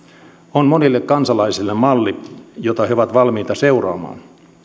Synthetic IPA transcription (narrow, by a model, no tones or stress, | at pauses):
onmonilːekkɑnsɑlɑisilːemmɑlːijot̪ɑheoʋɑt̪ʋɑlmiːt̪ɑseurɑ̰ːmɑ̰ːn